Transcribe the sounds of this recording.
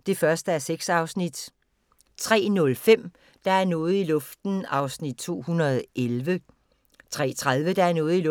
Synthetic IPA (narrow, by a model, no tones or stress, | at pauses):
d̥e̝fɶɐsd̥əæɐseɡ̥sɑ̈ʊsnid̥ | t͡sʰʁɛ̰ːnɔ̽lfem̰ | d̥ɑ̈æɐnɔ̽ːð̩ˠilɔ̽fd̥n̩ɑ̈ʊsnid̥̚t͡sʰo̝̰ːhunɐðˠelʋə | t͡sʰʁɛ̰ːt͡sʰʁaðˠʋəd̥ɑ̈æɐnɔːð̩ˠil